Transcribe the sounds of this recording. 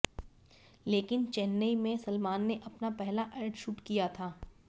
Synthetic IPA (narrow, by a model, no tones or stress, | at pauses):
leːkɪnt͡ʃɛnːəimẽsɐlmaːnːeʔɐpnapɛɦlaʔeːɾʈʃuːʈkijat̪ʰaː